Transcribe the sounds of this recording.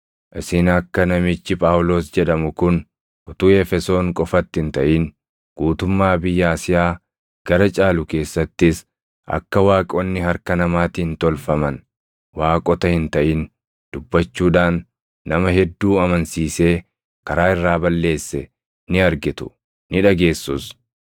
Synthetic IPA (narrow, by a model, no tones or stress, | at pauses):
ʔɪsɪnɐkːɐnɐmɪt͡ʃːɪpʼaːwlo̞ːsd͡ʒɛᶑɐmʊkʊn | ʔʊt̪uːɛfɛso̞ːŋkʼɔfɐt̪ːɪɪnt̪ɐʔiːn | ɡ̥uːt̪ʊmːaːbɪjːaːsɪjaː | ɡ̥ɐɾɐt͡ʃʼaːlʊke̞ːsːɐt̪ːɪs | ʔɐ̰kːɐwaːkʼɔnːɪhɐɾkɐnɐmaːt̪iːnt̪ɔlfɐmɐn | waːkʼɔt̪ɐhɪnt̪ɐʔin | d̪̥ʊbːɐt͡ʃːuːᶑaːnː | ɐmɐɦɛd̪ːuːɐmɐnsiːse̞ː | kɐɾaːɪrːaːbɐlːe̞ːsːɛ | nɪɐɾɡɪt̪ʊ̥ | nɪᶑɐɡe̞ːsːʊs